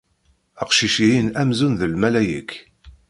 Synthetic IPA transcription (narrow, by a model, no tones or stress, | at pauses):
əqʃiʃiinæmzunðəlmælæjə̰k